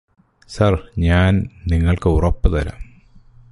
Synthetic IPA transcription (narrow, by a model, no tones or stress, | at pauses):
sɐrɲaːnniŋːɐɭkɨurɐpːɨðɐɾɐ̰